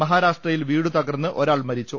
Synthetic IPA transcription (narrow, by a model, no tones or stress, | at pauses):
mɐɦaːɾaːʂʈrɐjilʋiːɽut̪ɐɡɐrnːɨʔo̞ɾaːɭmɐɾit͡ɕːu